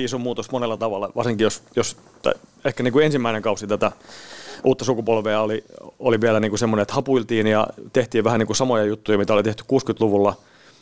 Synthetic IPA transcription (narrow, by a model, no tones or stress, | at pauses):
isomuːt̪osmonelːɑt̪ɑʋɑlːɑʋɑrsiŋkijosjos | t̪ɑ̰iehkæniːŋkuensimːæineŋkɑusit̪æt̪æ | ʔuːt̪ːɑsukupolʋeɑolioliʋiælæniːŋkusemːonenet̪hɑpuilt̪iːnjɑ̰t̪eht̪iːʋʋæhæniːkusɑmojɑjut̪ːujɑmit̪æolit̪eht̪y̥kkuːskyt̪luʋulːɑ